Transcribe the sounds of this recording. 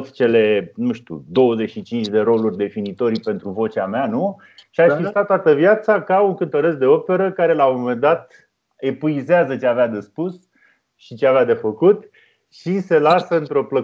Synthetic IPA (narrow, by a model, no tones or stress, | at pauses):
t̪t͡ʃe̞lenuʃt̪ṵd̪o̞wəze̞ʃit͡ʃint͡ʃʲd̪e̞ɾo̞lurʲd̪e̞finit̪o̞ɾpe̞nt̪ɾuvo̞t͡ʃameanu | ʃiaʃfist̪at̪̚t̪ːwat̪əvjat̪sakauŋkɨnt̪əɾəsd̪e̞o̞pe̞ɾəkaɾe̞laomome̞nd̪at̪̚ | e̞puizeazət͡ʃeavead̪e̞spus | ʃit͡ʃeavead̪e̞fəkut̪ | ʃise̞lasəɨnt̪ɾo̞plə